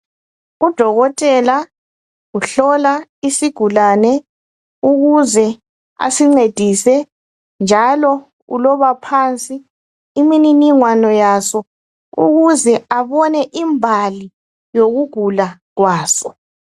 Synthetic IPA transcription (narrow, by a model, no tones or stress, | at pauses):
ud̥ʱɔɣɔtʼɛla | uɬɔlaisiɡ̥ʱulanɛ | uɣuzɛ | a̰siŋ͡ǀed̥ʱisɛ | nd͡ʒʱalɔ | ṵlɔβapʰant͡sʼiː | mininiŋwanɔjasɔ | ṵɣuzɛaβɔnɛʔimbʱali | joɣuɡ̥ʱula | ɣwaːsɔ